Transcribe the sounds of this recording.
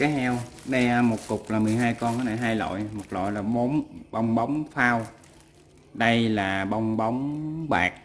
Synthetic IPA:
kaː˨˦jhɛ˧wɗɛ˧mo˨˩t̚kʊ˨˩k͡p̚laː˨˩mɨ˨˩əjɦaː˧jkɔ˧nkaː˧˨˦naː˧˨˩jɦaː˧jlo̰˧˨jmo˨˩t̚lo̰˧˨jlaː˨˩ɓo˨˦ŋ͡mɓə˧wŋ͡mɓɔ˨˦wŋ͡mfaː˧w | ɗə˧jlaː˨˩ɓə˧wŋ͡mɓɔ˨˦wŋ͡mɓa̰ː˨˩k̚

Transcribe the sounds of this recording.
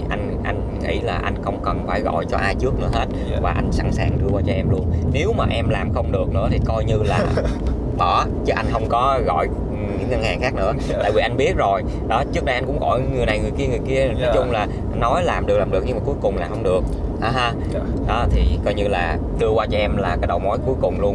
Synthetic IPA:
ʔa˧jŋ̟ʔa˧jŋ̟ | ŋḭ˧˥laː˨˩ʔa˧jŋ̟xə˧wŋ͡mkə˨˩nfaː˧˩jɣɔ̰˧˨jt͡ɕɔ˧ʔaː˧jt͡ɕɨ˦˥ək̚nɨ̰˧˥əɦe˦˥t̚vaː˨˩ʔa˧jŋ̟sa̰˧˥nsaː˨˩ŋɗɨ˧kwaː˧t͡ɕɔ˧ʔɛ˧mlu˧ənne˨˦wmaː˨˩ʔɛ˧mlaː˨˩mxə˧wŋ͡mɗɨ˨˩ək̚nɨ̰˧˥ət̪ʰi˨˩kɔ˧jɲɨ˧laː˨˩ | ɓɔ˧˩ | t͡ɕɨ˦˥ʔa˧jŋɦə˧wŋ͡mkɔ˨˦ɣɔ̰˧˨j | ɲɨ̰˧˥ŋŋə˧nhaː˨˩ŋxaː˦˥k̚nɨ̰˧˥əa̰ː˧˨vi˨˩ʔa˧jŋ̟ɓi˦˥ət̚zo˨˩j | ɗɔ˨˦t͡ɕɨ˦˥ək̚a˧ʔa˧jŋkʊ̰˧˥ŋ͡mɣɔ̰˧˨jŋɨ˨˩əjna˨˩jŋɨ˨˩əjki˧əŋɨ˨˩əjki˧ənɔɔ˨˦jt͡ɕʊ˧ŋ͡mlaː˨˩ | nːɔ˨˦jlaː˨˩mɗɨ˨˩klaː˨˩mɨ˨˩ək̚ɲɨ˧ŋmaː˨˩ku˨˦jkʊ˨˩ŋ͡mlaː˨˩xə˧wŋ͡mɗɨ˨˩ək̚ʔa˨˦ɦaː˧ | ɗɔ˨˦t̪ʰi˨˩kɔ˧jɲɨ˧laː˨˩ | ɗɨ˧əkwaː˧t͡ɕɔ˧ʔɛ˧mlaː˨˩kaː˨˦˥ɗə˨˩wmɔ˨˦jku˨˦jkʊ˨˩ŋ͡mlu˧ən

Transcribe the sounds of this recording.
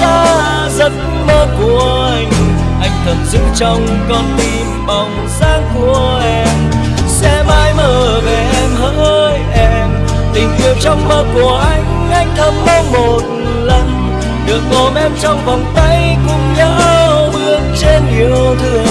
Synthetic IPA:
t̪aː˧˦ | zə˧˥t̚ | məː˧ku˧˨˩əʔʔa˧jŋ̟ | ʔa˧jŋ̟t̪ʰə˨˩mzɨ̰˧˥t͡ɕə˧wŋ͡m | kɔ˧˩nt̪i˧˩mɓa˨˩wŋ͡m | zaː˧˥ŋku˧˩əʔɛ˧m | sɛ˧maː˧jməː˧˩ve˨˩ʔɛ˧mhəː˧˦jʔɛ˧m | t̪ï˨˩ŋ̟ʔi˧˩əp̚t͡ɕɔ˧wŋ͡mməː˧ku˨˧˩əʔa˧jŋ̟ʔa˧jŋ̟t̪ʰə˧m̚mə˧˦mo˨˩t̚ | lə˧n | ɗɨ˨˩ək̚kɔ˨˩nʔɛ˧mt͡ɕɔ˧wŋ͡mvɔ˨˩wŋ͡mt̪ə˧jkʊ̰˧˥ŋ͡mɲəː˧˦ɓɨ˧əŋt͡ɕe˧nɲi˨˧˨əwt̪ʰɨ˧˩ə

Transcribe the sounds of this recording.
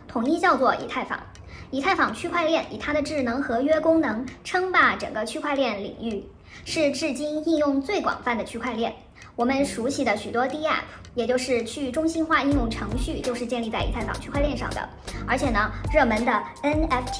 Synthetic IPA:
t̪ʰʊ˨˩ŋi˥˧t͡ɕjɑ˥˧ʊt͡swɔ˥˩ʔḭ˧˥t̪ʰa˥˩ɪfɑ̰˨˩˦ŋ | i˧˥t̪ʰa˥˩ɪfɑ˨˩ŋt͡ɕʰy˥kʰwa˥˧ɪljɛ˥˩ni˨˩t̪ʰa˥d̪ə˨ʈ͡ʂɻ̩˥˩nɤ˧˥ŋxɤ˧˥ɥɛ˥kʊ˥ŋnɤ˧˥ŋʈ͡ʂʰɤ˥ŋpa˥˩ʈ͡ʂɤ̰˨˩ŋɡə˦t͡ɕʰy˥kʰwa˥˧ljɛ˥˩nlḭ˨˩ŋy˥˩ | ʂɻ̩˥˧ʈ͡ʂɻ̩˥˩t͡ɕi˥ni˥˧njʊ˥˧ŋt͡swe˥˩ɪkwɑ̰˨˩ŋfa˥˩nd̪ə˩t͡ɕʰy˥kʰwa˥˧ɪljɛ˥˩n | wɔ˨˩mə˦nʂu˧˥ɕi˥˩d̪ə˩ɕy˨˩t̪wɔ˥t̪i˥ɛ̰˥˩pʰ | jɛ˨˩t͡ɕjo˥˧ʊʂɻ̩˥˧t͡ɕʰy˥˩ʈ͡ʂʊ˥ŋɕi˥nxwa˥˧i˥˧jʊ˥˩ŋʈ͡ʂʰɤ˧˥ŋɕy˥˧t͡ɕjo˥˧ʊʂɻ̩˥˧t͡ɕjɛ˥˧li˥˧t͡sa˥˩ɪi˧˥t̪ʰɪfɑ̰˨˩ŋt͡ɕʰy˥kʰwljɛ˥˧nʂɑ̰˥˩ŋd̪ə̰˩ | ə˞˧˥t͡ɕʰjɛ˨˩nə˦ɻɤ˥˩mə˧˥nd̪ə˧ | ə˥nɛ˥fʰ

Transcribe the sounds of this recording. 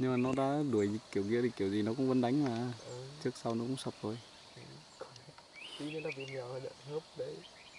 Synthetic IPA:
ɲɨ˧ŋmaː˨˩nɔ˨˦ɗa̰ː˧˥ɗu˨˩əjzi˨˩k̚ki˨˩əwɣḭ˧˥ətʰi˨˩ki˨˩əwzi˨˩nɔ˨˦kʊ̰˧˥ŋ͡mvə˧nɗa˨˦jŋ̟maː˨˩˧ə˨t͡ɕɨ˦˥ək̚sa˧wnɔ˨˦kʊ̰˧˥ŋ͡msə˨˩p̚to˧j | ə˨˩ | kɔ˨˧˦n˨˦ | ti˧˦ne˨˦nlaː˨˩vḭ˧˨˩ɲː˨˩whəː˨˧˩ɗə̰˧˨nhə˦˥p̚ɗə˧˦j

